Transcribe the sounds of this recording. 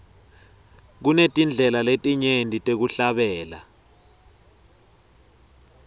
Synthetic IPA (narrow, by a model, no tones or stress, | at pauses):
k̬unetʼind͡ɮʱɛlaletʼiɲendʱitʼek̬uɬaɓɛːla̰